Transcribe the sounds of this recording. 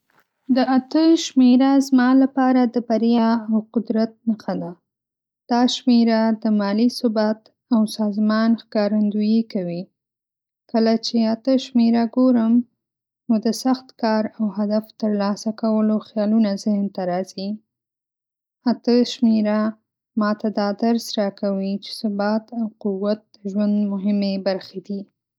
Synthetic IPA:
d̪əat̪əʃmeɾazmɑlapɑɾad̪əbaɾjɑawqʊd̪ɾat̪̚nəxad̪a | d̪̥ɑʃmeɾad̪əmɑlisʊbat̪ | awsɑzmɑnxkɑɾand̪ujikawi | kəlat͡ʃeat̪əʃmeɾaɡoɾəm | nod̪əsaxt̪kɑɾawhad̪aft̪əɾlɑsakawəloxjɑlunazɪhnt̪aɾɑz̥i | at̪əʃmeɾa | mɑt̪ad̪ɑd̪aɾsɾɑkawit͡ʃe̥sʊbɑt̪awquwːat̪̚d̪̥əʒwand̪mʊɦɪmebaɾxed̪i

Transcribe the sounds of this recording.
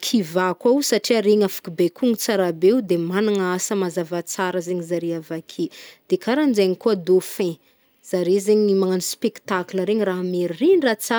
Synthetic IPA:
kʰivakausaʈ͡ʂiaɾeɲafḁkubekʰuŋit͡saɾabeud̪emanaŋasəmazavat͡saɾəzeɲizaɾeavakʰed̪̥ekʰaɾand͡ʒaɲikuad̪ofɛ̃ | z̥aɾezeɲimaŋanispeki̥t̪akləɾeɲiraɦameɾiriɲrat͡sa

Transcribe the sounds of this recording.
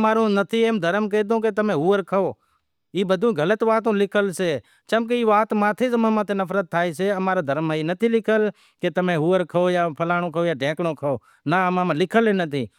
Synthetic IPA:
maːɾõːnət̪ʰiːẽːmd̪ʱəɾmk̬eːd̪õːkeːt̪əmẽːɦuːəɾkʰəoː | iːbəd̪ʱũːɡʱələt̪ʋaːt̪̬õːlɪkʰəlseː | t͡ʃəmk̬eiːʋaːt̪mãːt̪ʰeːsəmãmãːt̪ʰeːnəfɾət̪ʰːaːiːseːəmaːɾaːd̪ʱəɾmːãːiːnət̪ʰiːlɪkʰəl | ket̪əmẽːɦuːəɾkʰəoːjaːpʰəlaːɽ̃oːkʰoːjaːɖʱẽːkɽoːkʰəoː | naəmãːmãːlɪkʰəleːnət̪ʰiː

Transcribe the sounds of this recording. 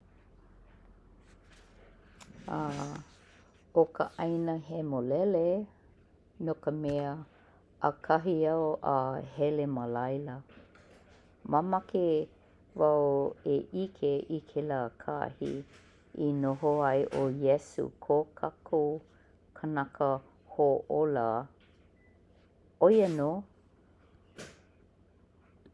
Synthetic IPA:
a | okəʔɐjnəɦemolɛle | nokəmɛə | ʔəkʰɐɦiɐoʔahɛleməlajlə | mamɐke | vaweʔikʰeʔikʰelaːkʰa̰hḭ | inoɦoɐjʔojɛsṵkʰokʰakʰu | kʰənakə | hoʔola | ojənoː

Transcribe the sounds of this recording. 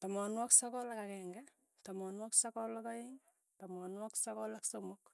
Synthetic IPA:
tɔmɔnwɔksɔkɔlakakɛŋɡɛ | tɔmɔnwɔksakɔlɔkaɪŋ | tɔmɔnwɔksɔkɔlaksomʊk

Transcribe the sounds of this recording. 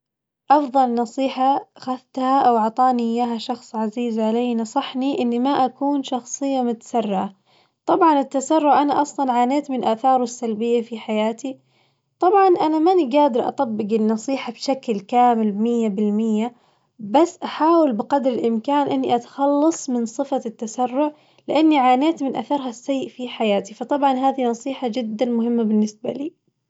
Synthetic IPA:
ʔɑfðˤɑlnɑsˤiːħaxaθt̪haʔawʔɑʕt̪ˤɑːniʔɪjːaːɦaʃɑxsˤʕaziːzʕaleːnɑsˤɑħniʔɪnːimaʔakuːnʃɑxsˤɨjːamʊt̪ḁsarːʕa | t̪ˤɑbʕɑnɪt̪ːasɑrːʊʕʔanaʔɑsˤlɑnʕaːneːt̪mɪnʔaːθɑːɾˤɪsːalbɪjːafiħajaːt̪ʰi | t̪ˤɑbʕɑnʔanamaniɡaːd̪ɪɾʔɑ̰t̪ˤɑbːɪɡɪnːɑsˤiːħabʃaklkaːmɪlbmɪjːabɪlmɪjːa | basːʔaħaːwɪlbɪqɑd̪ɾɪlʔɪmkaːnʔɪnːiʔat̪ḁxɑlːɑsˤmɪnsˤɨfat̪ːasarːʊʕ | lɪʔanːiʕaːneːt̪mɪnʔa̰θɑɾˤɦasːajːʔfiħajaːt̪ifɑt̪ˤɑbʕɑnɦaːðinɑsˤiːħad͡ʒɪd̪ːanmʊɦɪmːabɪnːɪsba̰liː

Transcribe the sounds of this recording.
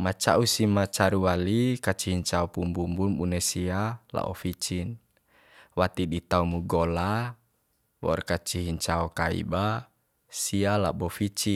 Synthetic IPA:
mat͡ʃa̰usimat͡ʃaɾuwalikat͡ʃiɦiɲt͡ʃaɔpumbumbunbunɛsiala̰ʔɔfit͡ʃin | wat̪idit̪aumuɡɔla | wɔ̰rkat͡ʃiɦiɲt͡ʃaɔkaḭba | siala̰bɔfit͡ʃi

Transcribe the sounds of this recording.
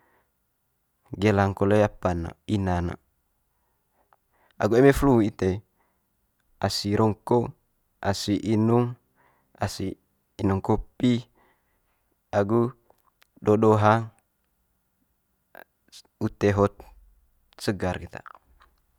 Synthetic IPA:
ɡelaŋkolejapano̰inano̰ | a̰ɡuemefluit̪e | asiɾɔŋko | ʔa̰siʔinuŋ | asiː | nuŋkopi | aɡu | dodoɦaŋ | ut̪eɦɔt̪̚ | səɡarkit̪a̰

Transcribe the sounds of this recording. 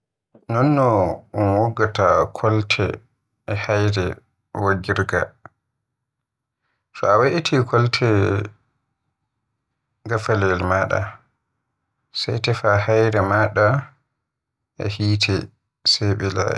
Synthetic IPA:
nɔnːɔɔnwɔɡːatakʰɔltʰɛ̰ | ɛhajɾɛ | waɡiɾɡa̰ | fɔawaʔitʰikʰɔltʰɛ | ɡafalɛlmaːɗa̰ | sa̰jtɛfahajɾɛmaɗa | ʔɛ̰hiːtʰɛ | sɛɓɛla̰

